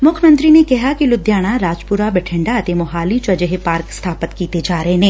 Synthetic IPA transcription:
mʊkʰjəmə̃nt̪ɾinekɐɦakilʊd̪ʱjaːɽ̃aɾaːd͡ʒpʊɾabɛʈʰɪ̃ɳɖaɐt̪emʊɦaːlit͡ʃɐd͡ʒeɦepaːɾkst̪ʰaːpət̪kiːt̪ed͡ʒaːɾəɦeɦẽː

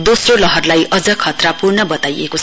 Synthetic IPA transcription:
d̪osrolʌɦʌrlajʌd͡zʌkʰʌt̪rapurnʌbʌt̪ajḛkot͡sʰ

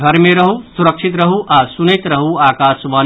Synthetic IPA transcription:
ɡʱəɾmeɾəɦusuɾəkʃʰit̪ɾəɦuʔasunɐjt̪ɾəɦuaːkaːsʋan

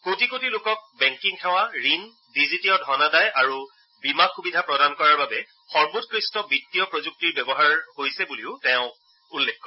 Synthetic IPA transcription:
kotikotilokɔk̚bɛŋkiŋxʰɛw̃aɹin | dizitijɔdʱɔnadajʔaɹu | bimakxubidʱapɹɔdankɔɹaɹbabɛ | xɔɹbutkɹistɔbitːijɔpɹozuk̚tiɹbɛbɔɦaɹhojsɛbuliʊtɛʊ̃ | ulːɛkːɔ

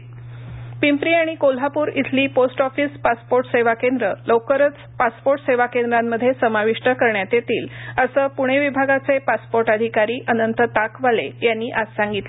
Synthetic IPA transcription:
pimpɾiːaɽ̃ikol̤apuːɾḭt̪ʰliːposʈɔfiːspaspoɾʈseʋakend̪ɾəlɔkəɾət͡s | paspoɾʈseʋakend̪ɾamːəd̪ʱjesəmaʋiʂʈəkəɾɳjat̪jet̪iːləsəːpuɽ̃eʋibʱaɡat͡sepaspoɾʈad̪ʱikaɾiːʔənənt̪ət̪akʋalḛjanːiːʔad͡zsãŋɡit̪le

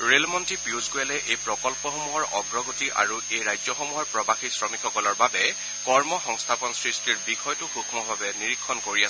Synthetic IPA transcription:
ɹelmɔntipiuzɡojalɛʔejpɹɔkɔlpɔxɔmuɦɔɹɔɡɹɔɡotiʔa̰ɹuejɹajzɔxɔmuɦɔɹpɹɔbaxisɹɔmikxʰɔkɔlɔɹbabɛ | kɔɹmɔxɔŋstʰapɔnsɹistiɹbixɔjtʊxukʰmɔbʱabɛniɹikʰːɔnkoɹias

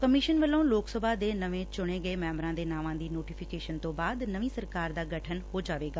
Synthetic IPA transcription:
kəmɪːʃənʋəlːõːloːksəbʱaːd̪eːnəʋẽːt͡ʃʊɽ̃eːɡəeːmɛːmɾãːd̪eːnaːʋãːd̪iːnoːʈiːpʰɪkeːʃənt̪õːbaːd̪nəʋĩːsəɾkaːɾd̪aːɡəʈʰənɦoːd͡ʒaːʋeːɡaː

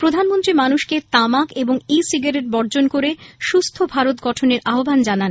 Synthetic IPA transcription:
pɾod̪ʱanmont̪ɾimanuʃket̪amakeboŋisiɡaɾeʈ̚bɔɾd͡ʑonkoɾeʃust̪ʰobʱaɾot̪̚ɡɔʈʰoneɾʔaɦoband͡ʑanan

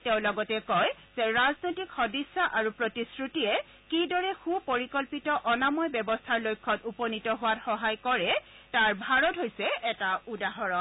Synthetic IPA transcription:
tɛʊ̃lɔɡɔtɛkɔj | z̥ɛɹaznojtikxɔdisːaʔaɹupɹotiskɹutijɛ | kidɔɹɛxupoɹikɔlpitɔʔɔnamɔjbɛbɔstʰaɹlojkʰːɔtupɔnitɔɦʊwatxɔɦajkɔɹɛtaɹbʱaɹɔtɦojsɛɛtaudaɦɔɹɔ

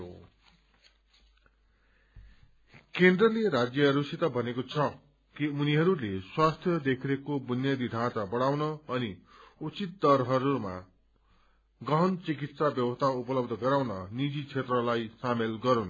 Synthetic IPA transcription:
o̰ | kend̪rʌleɾad͡zjʌɦʌɾusit̪ʌbʱʌnekot͡sʰʌ | kiuniɦʌɾuleswast̪ʰjʌd̪ekʰiɾekobunjʌd̪id̪ʱãt͡sabʌɽawnʌʌniut͡sit̪̚d̪ʌrɦʌɾuma̰ | ɡʌɦʌnt͡sik̬it̪sabjʌwʌst̪ʰaupʌlʌbd̪ʱʌɡʌɾawnʌnid͡zit͡sʰet̪rʌlajsamelɡʌɾun

